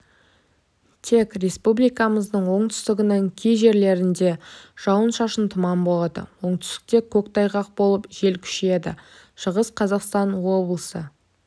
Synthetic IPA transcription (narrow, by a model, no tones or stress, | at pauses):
t̪ʰe̞kre̞spublijkɑməzd̪əɴwo̞ɴt̪ʰʏ̥st̪ɪɡʲɪnəŋkʲʰijʒe̞ɾle̞ɾɪnd̪e̞ʒ̥ɑwənʃɑʃənt̪ʰəmɑmbo̞lˠɑd̪ə̰wo̞ɴt̪ʏ̥st̪ɪ̥k̚t̪e̞kʲʰɵkt̪ɑjʁɑq̚bo̞lˠəpʒe̞lkʲʰʏ̥ʃe̞d̪ɪ̰ | ʃəʁəsqʰɑzɑqst̪ɑnwo̞blˠəsə